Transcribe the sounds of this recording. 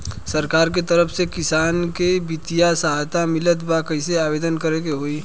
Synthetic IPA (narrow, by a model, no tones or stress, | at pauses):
sɐɾkaːɾk̬et̪ɐɾəfʰsekɪsaːnkebɪt̪ijasɐɦaːjt̪amɪlət̪bakɛɪseaːbeːd̪ənkəɾekeɦoːiː